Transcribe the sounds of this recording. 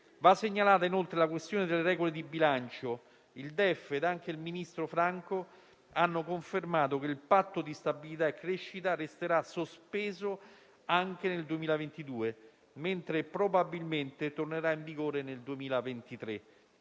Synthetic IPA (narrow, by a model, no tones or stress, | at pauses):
vasːeɲːalaːt̪ainolt̪ɾelak̬west̪joːned̪elːeɾɛːɡoled̪ibilant͡ʃo | ild̪ɛfːeːd̪aŋk̟eilminist̪ɾofɾaŋko | anːokoɱfermaːt̪̬ok̟eilpat̪ːod̪ist̪abilit̪aekːɾeʃːit̪aɾest̪eɾasːospeːzo | aŋk̟eneld̪uemiːlavent̪id̪uːe | ment̪ɾepɾobabilment̪et̪orneɾaiɱviɡoːɾeneld̪uemiːlavent̪it̪ɾe